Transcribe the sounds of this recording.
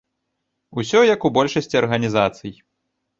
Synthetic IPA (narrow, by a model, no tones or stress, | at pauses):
usʲɔjɐkubɔlʲʂɐsʲt͡sʲiɐrɣɐnʲizat̪sɨj